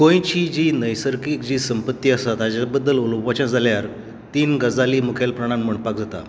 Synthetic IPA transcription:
kõjt͡ɕid͡ʑinəjsəɾkikd͡ʑiːsəmpət̪ːiːəst̪at̪ad͡ʑabəd̪ːəloləpʋat͡ɕãd͡zaljaɾ | t̪iːnɡəd͡zaliːmukʰalpɾaɽ̃ãnm̤əɳpakd͡zat̪a̰

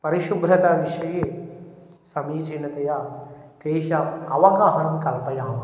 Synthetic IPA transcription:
pɐɾiʃubɾɐt̪aːʋiʃɐjeː | sɐmiːd͡ʒiːnɐt̪ɐjat̪eːʃɐɐ̰ʋɐkaːɦɐnkɐlpɐjaːm

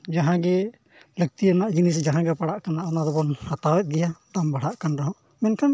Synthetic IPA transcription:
d͡ʒaɦãɡɛ | lək̚t̪iənaʔd͡ʒinisd͡ʒaɦãɡɛpaɽaʔkanaʔːnad̪ɔbɔnhat̪awɛt̪̚ˀɡɛjad̪ambaɽ̤aʔkanɾaɦɔ̃ʔ | mɛnkʰam

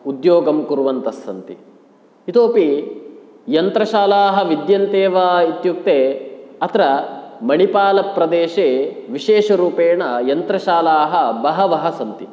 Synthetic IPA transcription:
ud̪joːɡɐmkuɾuʋɐnt̪ɐsːɐnt̪i | it̪oːpi | jɐnt̪ɾɐʃaːlaːɦɐ̆ʋid̪jɐnt̪eːʋaːit̪juk̚t̪eːɐt̪ɾɐmɐɳipaːlɐpɾɐd̪eːʃeːʋiʃeːʃɐɾuːpeːɳɐjɐnt̪ɾɐʃaːlaːɦɐbɐɦɐʋɐɦɐsɐnt̪i

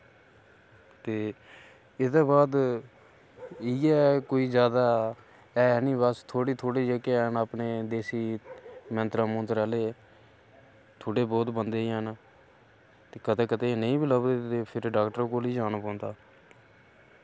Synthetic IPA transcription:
t̪eː | ɪd̪ãːbaːd̪ | iːɛːkoːiːd͡ʒjaːd̪aː | ɛːniːbast̪ʰoːɽiːt̪ʰoːɽiːd͡ʒəkeːnaːpneːd̪eːsiːmɛ̃nt̪ɾãːmõːnt̪ɾaːleː | t̪ʰoːɽeːbɔːt̪bənd̪eːiːən | t̪eːkəd̪eːkəd̪eːneĩːbɪləbd̪eːt̪eːpʰɪɾɖaːkʈəɾːkoːliːd͡ʒaːnaːpɔ̃ːnd̪aː

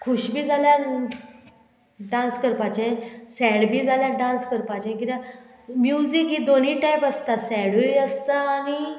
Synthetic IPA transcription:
kʰuɕbʱiːd͡zʱaljaɾ | ɖãnskəɾpat͡ɕẽsɛɽbʱiːd͡zʱaljaɖãnskəɾpat͡ɕẽkit̪a | mjud͡ziːkɦiːd̪oniːʈajpəst̪asɛɽuiəst̪aːñi

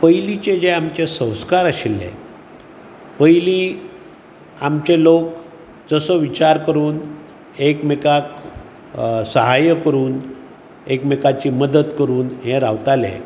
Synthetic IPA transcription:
pəjlit͡ɕed͡ʑeamt͡ɕesə̃w̃skaɾaɕilːḛ̃ | pəjliː | amt͡ɕelok | d͡zəsəʋit͡ɕaɾkəɾuːn | ekmekak | səɦajəkəɾuːn | ekmekat͡ɕiːməd̪ət̪kəɾuːnɦẽɾaʋt̪alḛ̃

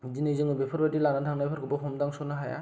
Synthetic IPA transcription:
zinɯjzɯŋɯbepʰɯɾbatilanatʰaŋnajpʰɯɾkʰɔbɔɦɔmdaŋsɔnaɦaja̰

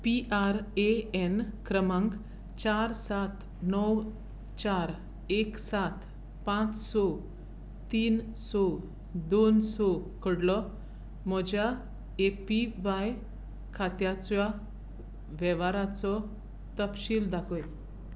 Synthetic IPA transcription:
piʔaɾeɛnkɾəmãŋk | t͡ɕaɾsat̪ | nɔw | t͡ɕaɾ | eksat̪ | pãt͡ssɔ | t̪iːn | sɔ | d̪onsɔkəɽlɔ | mɔd͡ʑa | epiʋaj | kʰat̪jat͡sa | ʋɛʋaɾat͡sɔ | t̪əpɕiːld̪akɔj

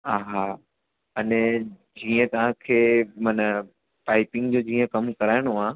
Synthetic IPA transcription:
ɦaːɦaː | ɐnɛ | d͡ʑiːə̃t̪ɐʋ̤ãkʰeːmɐnə | paːɪpɪ̃ŋɡd͡ʑoːd͡ʑiːə̃kɐmkɐɾaːɪɽ̃oaː

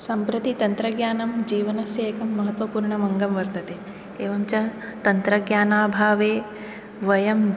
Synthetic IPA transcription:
sɐmpɾɐt̪it̪ɐnt̪ɾɐɡjaːnɐmd͡ʒiːʋɐnɐsjeːkɐmːɐɦɐt̪ʋɐpuːɾɳɐmɐŋɡɐmʋɐɾt̪ɐt̪eː | eːʋɐmt͡ʃɐt̪ɐnt̪ɾɐɡjaːnaːbʱaːʋeː | ʋɐjɐm

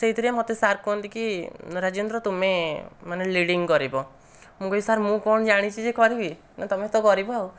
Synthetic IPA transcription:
seɦid̪ʰʱiɾiamot̪esaɾkoɔnt̪ikiɾad͡ʒond̪ɾɔt̪umemaneliɽiŋɡkɔɾibɔ | mũkɔjisaɾmũkɔɳɔd͡ʒaɽ̃it͡ʃʰid͡ʒekɔɾibi | nat̪ɔmet̪ɔkɔɾibɔɦaw

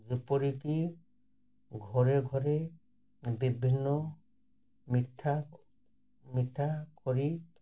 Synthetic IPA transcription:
d͡ʒupoɾiki | ɡʱɔɾeɡʱɔɾe | bibʱinːɔ | miʈʰːa | miʈʰːakɔɾi

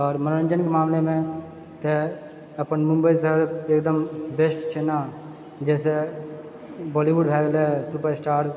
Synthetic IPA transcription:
ɔːɾməɾɾə̃nd͡ʒənkemaːmlemẽ | t̪e | əpənmʊ̃mbəisəɦɾeːkd̪əmbeːsʈt͡ʃʰeːna | d͡ʒɛːse | bɔːliʋuɖbʱɛːɡlesʊpəɾsʈaːɾ

